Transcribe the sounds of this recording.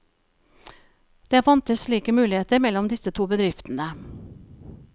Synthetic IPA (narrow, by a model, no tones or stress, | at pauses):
d̪̥eːfɑnt̪əsʃɭiːkəmʉːlɪheːt̪əɾmɛlɔmd̪ɪsət̪ʰuːbəd̪ɾɪft̪nə